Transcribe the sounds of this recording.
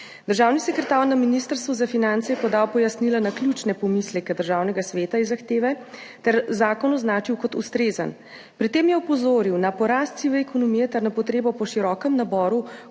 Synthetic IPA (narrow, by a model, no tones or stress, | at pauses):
d̪əɾʒaːwnisɛkɾɛt̪aːɾnaminist̪əɾst̪ʋuzafinant̪sɛjɛpɔd̪aːwpɔjasnilanaklʲjut͡ʃnɛpɔmislɛkɛd̪əɾʒaːwnɛɡasʋeːt̪aizːaxt̪eːʋɛ | t̪ɛɾzaːkɔnɔznaːt͡ʃiwkɔt̪ust̪ɾeːzə̰n | pɾit̪eːmjɛɔpɔzoːɾiwnapɔɾaːst̪siʋɛɛkɔnɔmijɛt̪ɛɾnapɔt̪ɾeːbɔpɔʃiɾɔːkɛmnabɔːɾu